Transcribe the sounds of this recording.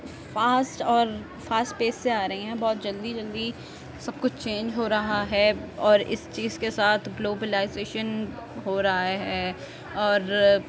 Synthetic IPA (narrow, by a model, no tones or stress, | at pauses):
faːsʈɔːɾ | faːsʈ̚peːsːeaːɾɐɦĩɦɛ̃bɔːt̪d͡ʒɐld̪id͡ʒɐld̪i | sɐb̚kʊt͡ʃʰt͡ʃẽːnd͡ʒɦoːɾɐɦaɦɛːɔːɾɪ̰st͡ʃiːzkesaːt̪ʰɡloːbəlaːɪzeːʃən | ɦoːɾɐɦaɦɛː | ɔːɾ